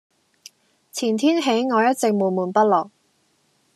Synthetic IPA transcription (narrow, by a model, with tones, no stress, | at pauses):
t͡sʰiː˨˩nt̪ʰiː˥nɦe˨˥jŋɔː˨˧jɐ˥t̚t͡sɪ˨k̚muː˨˩muː˨˩npɐ˥t̚lɔː˨˩k̚